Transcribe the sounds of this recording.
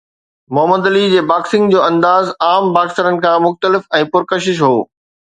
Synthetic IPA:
mʊɦəməd̪lid͡ʑeːbaːksɪ̃ŋɡd͡ʑoːɐ̃nd̪aːzaːmbaːksəɾənɪ̆kʰãːmʊxt̪əlɪfɛ̃ːpʊɾkəʃɪʃɦoː

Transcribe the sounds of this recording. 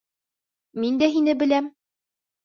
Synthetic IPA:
mind̪æɦinɘbɘ̆læm

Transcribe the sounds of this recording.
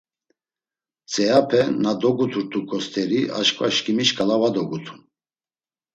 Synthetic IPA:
t͡sʼɛjapʰɛnad̪ɔɡut̪ʰuɾt̪ʰukʼɔst̪ʰɛɾia̰ʃkʼva̰ʃkʼimiʃkʼalavad̪ɔɡut̪ʰu̥n

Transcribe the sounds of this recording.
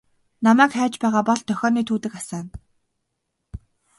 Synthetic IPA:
namæːkχæːt͡ɕpæːʁaːpɔɮt̪ʰœxʲɔːniːt̪ʰuːt̪ɘ̆kasæːn

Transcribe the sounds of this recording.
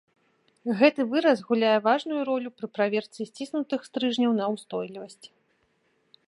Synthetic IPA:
ɣɛt̪ɨvɨɾɐsɣulʲajɛvaʐnujuɾɔlʲupɾɨpɾavʲɛrt̪sisʲt͡sʲisnut̪ɨxst̪ɾɨʐnʲɐwnɐwst̪ɔjlʲivɐsʲt͡sʲ

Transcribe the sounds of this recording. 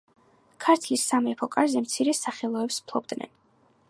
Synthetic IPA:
kʰaɾt̪ʰlisːamɾɛpʰɔkʼazɛmt̪sʰiɾɛsaχɛlˠɔɛpspʰlˠɔb̚d̪nɛ̰n

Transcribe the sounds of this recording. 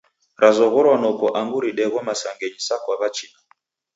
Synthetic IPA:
ɾʔazɔɣɔɾwanɔkɔʔaŋɡuɾiɗɛɣɔmasaŋɡɛɲisakwaβat͡ʃina

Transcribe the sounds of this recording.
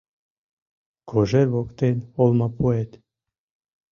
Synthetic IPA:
kʰoʒeɾβokt̪enolˠmɑpuet̪

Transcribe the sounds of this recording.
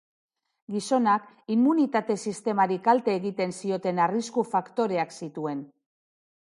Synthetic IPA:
ɡiso̞nak | imːunit̪at̪e̞sist̪e̞maɾikalt̪e̞ːɣit̪e̞nsio̞t̪e̞nariskufakt̪o̞ɾe̞aksit̪ue̞n

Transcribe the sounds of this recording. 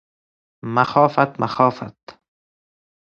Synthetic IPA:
maxɑːfat̪maxɑːfa̰t̪

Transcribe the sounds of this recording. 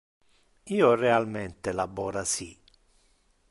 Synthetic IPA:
iːorealment̪elabɔːɾasi

